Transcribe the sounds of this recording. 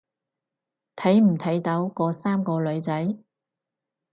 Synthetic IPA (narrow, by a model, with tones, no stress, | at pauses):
t̪ʰɐ˨˥jm̩˨˩t̪ʰɐ˨˥jt̪ɐ˨˥wkɔː˧saː˥mkɔː˧lɵ˨˧ɥt͡sɐ˨˥j